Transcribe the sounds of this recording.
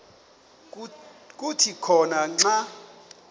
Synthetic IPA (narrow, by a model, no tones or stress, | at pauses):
kʼutʰikʰɔnaŋ͡ǁa